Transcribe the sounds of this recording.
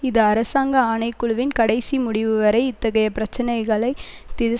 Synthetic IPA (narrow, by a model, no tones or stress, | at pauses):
ɪðɐɐɾɐsaːŋɡɐaːnɐɪkːʊɭʋɪnkɐɽɐɪsimʊɽɪʋɯʋɐɾɐɪɪt̪ːɐɣɐjɐpɪɾɐt͡ʃːɐnɐɪɣɐɭɐɪt̪ɪðɐ